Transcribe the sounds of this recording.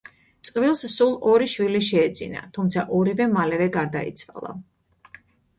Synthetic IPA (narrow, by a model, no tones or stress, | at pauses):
t̪sʼqʼvilˠssulˠɔɾiʃwiliʃɛːd̪z̥ḭna̰t̪ʰumt̪sʰaʔɔɾivɛmalɛvɛɡaɾd̪aḭt̪sʰva̰lˠa̰